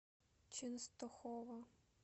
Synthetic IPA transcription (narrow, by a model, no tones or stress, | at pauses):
t͡ʃɪnst̪ɔxɔʋɐ